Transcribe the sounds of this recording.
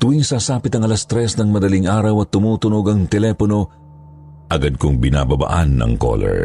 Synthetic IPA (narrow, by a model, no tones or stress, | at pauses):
t̪ʊwiŋsasaːpɪt̪ɐŋɐlɐst̪ɾɛsnɐŋmɐd̪ɐliŋʔaːɾɐwɐt̪ːʊmuːt̪ʊnoɡɐŋt̪ɛlɛːpono̞ | ʔɐɡad̪̚kʊŋbɪnaːbɐba̰ːʔanːɐ̰ŋko̰lɛ̰ɹ